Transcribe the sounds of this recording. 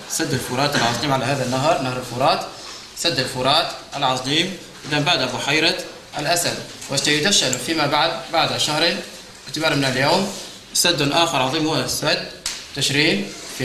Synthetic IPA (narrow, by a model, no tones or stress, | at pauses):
sad̪ːəlfʊɾˤɑːt̪əlʕɑsˤiːmʕalæɦæːðænːaɦɾˤnahɾˤəlfʊɾˤɑːt̪ | sad̪ːəlfʊɾˤɑːt̪ʔəlʕɑsˤiːm | ʔɪd̪æmbaʕd̪abʊħajɾˤɑ | əlʔæsæd̪wɪt̪æjʊd̪æʃːanfimæbaʕd̪baʕd̪ʃahɾeːn | ʕt̪əbɑːɾˤmɪnəljawm | sad̪ːʊnʔaːxəɾˤʕɑðˤiːmhusæd̪ːt̪ːɪʃɾiːnfi